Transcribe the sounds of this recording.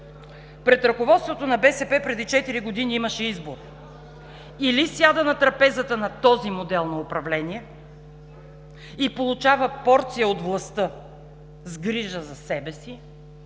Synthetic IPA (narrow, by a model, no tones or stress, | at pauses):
pɾɛt̪ɾɐkovɔt̪st̪vot̪onɐbɛsɛpɛpɾɛd̪it͡ʃɛt̪iɾiɡod̪iniimɐʃɛizboɾ | ilisjad̪ənɐt̪ɾɐpɛzət̪ənɐt̪ɔzimod̪ɛlˠnɐopɾɐvlɛniɛ | ipolˠʊt͡ʃavəpɔɾt̪sijəod̪vlˠɐst̪ɤ | zɡɾiʒəzɐsɛbɛsi